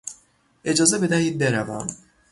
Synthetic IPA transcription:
ed͡ʒɒːzebe̞d̪æhiːd̪̚beɾævæm

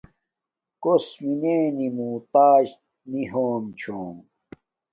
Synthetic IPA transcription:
kosmineːnimuːt̪aːʑ | niɦoːmt͡ɕʰoːm

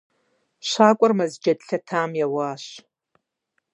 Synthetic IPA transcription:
ɕaːkʷʼɔrmɐzd͡ʒɐdɬɐtʰaːmjɛwaːɕ

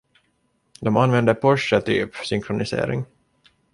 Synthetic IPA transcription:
d̪ɔmanvɛnd̪əpʰɔʂət̪ʰy̰ːpsʏŋkʰɾʊnɪsḛːɾɪ̰ŋ

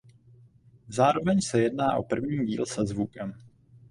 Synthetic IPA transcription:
zaːɾo̞vɛɲsɛjɛdnaːʔo̞̰pr̩vɲiːɟḭːlsɛzvukɛm

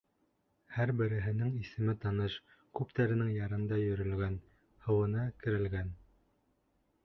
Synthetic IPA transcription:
hæɾbɘ̆ɾɘ̆ɦɘ̆nɘŋisɘ̆mɘt̪ɑnɤʃ | kʉpt̪æɾɘ̆nɘŋjɑɾɤ̆nd̪ɑjɵ̆ɾɵ̆lɡæn | hɤ̆wɤ̆nɑkɘ̆ɾɘ̆lɡæn

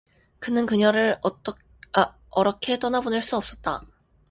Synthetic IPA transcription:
kɯnɯnkɯɲʌɾɯɾ͈ | ʌɾʌkʰe̞t͈ʌnabunɯɭs͈uʌp̚s͈ʌt̚t͈a̰

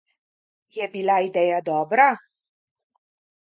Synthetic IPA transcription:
jɛbilaid̪ɛjad̪ɔːbɾa

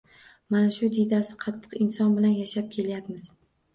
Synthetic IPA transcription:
manaʃʊd̪id̪asɪ̥qʰɑt̪ʰːɨ̥qɪnsɒnbɪlanjaʃap̚kʲʰe̞ljapmɪz̥

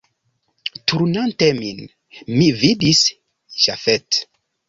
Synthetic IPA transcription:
tuɾnantemin | mividis | ʃa̰fet

